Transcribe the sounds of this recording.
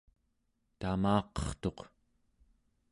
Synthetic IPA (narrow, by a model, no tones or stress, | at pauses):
t̪amɑːqʌ̥χt̪o̞q